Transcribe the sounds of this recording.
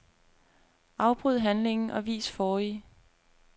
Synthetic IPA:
ʔɑ̈ʊb̥ʁyð̞̰ˠɦænle̝ŋn̩ʔɒ̽ʋḭːsfɒːi

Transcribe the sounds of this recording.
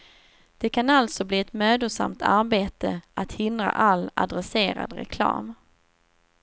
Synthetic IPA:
d̪̥ɛkʰanalt̪sɔbliːɛt̪møːd̪ʊʂa̰mt̪ʰaɾbeːt̪əat̪hɪnd̪ɾa̰ʔalːa̰d̪ɾɛseːɾa̰d̪ɾɛ̰kʰlɑ̰ːm

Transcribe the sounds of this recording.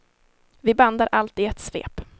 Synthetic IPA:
vɪband̪aɾʔalt̪ɪɛt̪svḛːp

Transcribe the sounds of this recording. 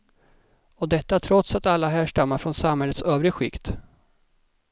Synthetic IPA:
ɔd̪ɛt̪ːaæːʈʰɾɔt̪sat̪alːaɦæːʂʈamːaɾfɾɔnsamhɛlːət̪søːvɾɪɧɪkt̪

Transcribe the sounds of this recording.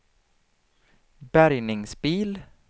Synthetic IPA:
bæɾjnɪŋsbiːl

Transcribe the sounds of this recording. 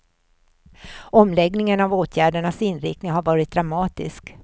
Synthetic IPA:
ɔmlɛɡnɪŋənavoːt̪ʰjæːɖəɳasɪnːɾɪ̰knɪŋɦaɾvɑːɾɪt̪̚d̪ɾamɑːt̪ɪ̰sk

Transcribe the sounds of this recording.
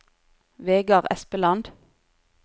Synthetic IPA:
ʋeːɡɑʁɛ̰spəlɑnd̪

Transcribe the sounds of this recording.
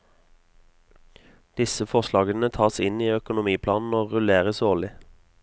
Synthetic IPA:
d̪̥ɪsəfɔʁʃlɑːɡənət̪ʰɑːsɪniːœkʊnʊmiːpʰlɑːnn̩oːʁʉleːʁəsoːʁlɪ

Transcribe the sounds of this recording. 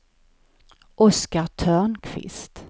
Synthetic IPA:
ʔɔskat̪ʰœːɳkʰvɪ̰st̪

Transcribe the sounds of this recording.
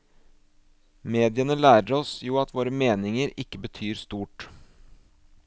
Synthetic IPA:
meːd̪ɪənəlæːɾəɾɔsjuːɑt̪ʋoːɾəmeːnɪŋəɾɪkːəbət̪ʰyːɾst̪uːʈ

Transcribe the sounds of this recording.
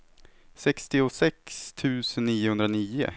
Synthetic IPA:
sɛkst̪ɪʊsɛkst̪ʰʉ̟ːsənːiːʊhɵnd̪ɾaniːʊ̰

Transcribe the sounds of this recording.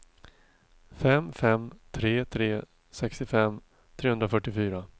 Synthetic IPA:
fɛmfɛmt̪ʰɾeːt̪ʰɾeː | sɛkst̪ɪfɛmː | t̪ʰɾeːɵnd̪ɾafœʈːɪfyːɾa

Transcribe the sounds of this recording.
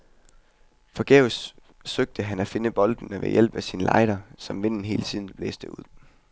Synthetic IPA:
fɒ̽ɡ̥eːʊs | søɡ̥̚d̥əɦænæfe̝nəb̥ɒ̽ld̥n̩əʋḛjel̰b̥æsiːnlɑ̈ɪd̥ɐsɒ̽mʋe̝n̰n̩ɦe̝̰ːlət͡sʰiːð̞ˠn̩ˠb̥lḛːsd̥əuð̞̰ˠ

